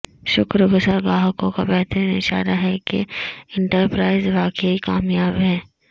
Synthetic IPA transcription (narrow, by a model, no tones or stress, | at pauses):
ʃʊkɾəɡʊsaːɾɡaːɦəkõkabɛːt̪əɾinɪ̰ʃa̰ːɾaɦɛkḛɪ̃ɳʈəɾpɾaːɪzʋaːkeikaːmjaːbɦɛː